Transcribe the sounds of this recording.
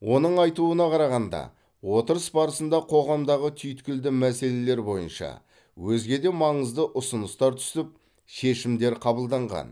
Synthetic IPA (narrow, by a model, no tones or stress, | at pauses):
wo̞nəɴɑjt̪uənɑqʰɑɾɑʁɑnd̪ɑ̰ | wo̞t̪əɾəsbɑɾəsənd̪ɑqʰo̞ʁɑmd̪ɑʁət̪ʰʏjt̪kʲɪld̪ɪmæse̞le̞le̞ɾbo̞jə̰nʃɑ̰ | wɵzɡʲe̞d̪e̞mɑɴəzd̪əʔʊsənəst̪ɑɾt̪ʰʏ̥sɪp̚ | ʃe̞ʃɪmd̪e̞ɾqʰɑbəlˠd̪ɑɴʁɑ̰n